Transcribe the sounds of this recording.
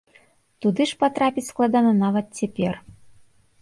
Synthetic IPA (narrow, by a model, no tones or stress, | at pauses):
t̪ud̪ɨʂpat̪ɾapʲitʲsklˠad̪ɑnɐnɑvɐt̪̚t͡sʲɛpʲer